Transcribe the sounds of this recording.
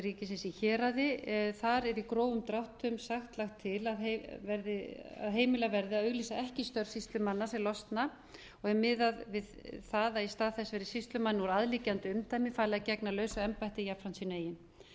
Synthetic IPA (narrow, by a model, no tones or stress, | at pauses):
ɾicɪsɪsiçɛːɾaðɪθaɾɛɾikɾoːwʏmt̪ɾawht̪ʏmsaxt̪laxt̪ʰːɪlaðevɛɾðɪa̰ðɦeːjmɪlavɛɾðɪaðœɣliːsaɛhcɪst̪œɾ̥sist̪lʏmanːasɛlɔst̪na | ɔɣɛmɪðaðvɪðθaːðaist̪aːðθɛsɛɾɪsist̪lʏmanːɪnvɔɾaðliːcant̪ɪʏmt̪ajmɪfaːlɪɣacɛknalœːɥsaɛmpajht̪ɪjapfɾansineːjɪn